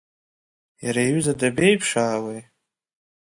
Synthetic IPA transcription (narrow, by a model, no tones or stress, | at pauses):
jaɾajɥyzadabe̞jpʰʂaːwe